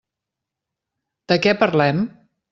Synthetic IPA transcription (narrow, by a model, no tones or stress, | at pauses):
d̪̥əkɛpəɾlɛm